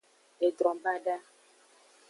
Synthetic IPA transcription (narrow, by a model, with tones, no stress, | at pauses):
e˨dɾɔ̃˨ba˦ɖa˦